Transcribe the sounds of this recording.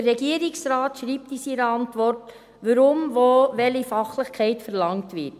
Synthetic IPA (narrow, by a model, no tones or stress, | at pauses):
əːɛɡiəɾiksrɑːtʃɾiːp̚tisiɾəɑntʋɔrt | ʋəɾʊmʋoːʋɛlifɑχləχkʰɛɪtfəɾlɑŋtʋɪt